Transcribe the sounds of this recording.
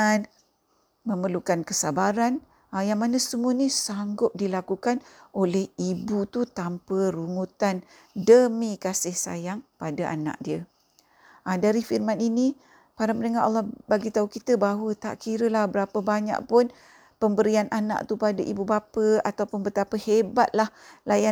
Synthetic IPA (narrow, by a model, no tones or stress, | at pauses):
an | məmərlukankəsabaɾan | ajaŋmanasəmuənisaŋɡʊp̚dilakukanʔolɛhibut̪ut̪ampəɾuŋut̪an | dəmikasɪhsa̰jaŋpadaʔa̰na̰ʔ̚diə | ʔadaɾifirmanini | paɾamənəŋaɾa̰lːɔhbaɡit̪aukit̪əbaɦwət̪a̰ʔkiɾəlahbəɾapəbaɲa̰ʔpʊn | pəmbəɾianʔana̰ʔt̪upadaʔibubapəat̪awpʊnbət̪apəhebat̪̚lahlaja